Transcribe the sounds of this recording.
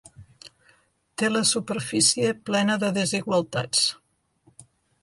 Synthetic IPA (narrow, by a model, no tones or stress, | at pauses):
t̪eləsupəɾfisiəplɛnəðəðəziɣwəlˠt̪a̰t͡s